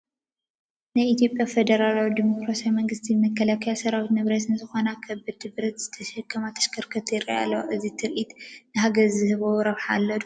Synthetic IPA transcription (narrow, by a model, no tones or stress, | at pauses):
najit̪jo̞pʼjafed̪ɐɾalawid̪imokɾasiawmɐŋɡɨst̪ʰimɐkʰːɐlakʰɐjasɐɾawit̪nɨβɾɐt̪nɨzɨxo̞nakʰɐbːɨd̪ɨβɾɐt̪z̥ɨt̪ʰɐʃɐkʰːɐmat̪ʰɐ̥ʃkʰɐɾkʰɐt̪ʰjɪɾia̰lːɐʔɨzit̪ʰɨɾʔit̪nɨɦaɡɐɾzɨhɨβoɾɐβħaːlːɐd̪u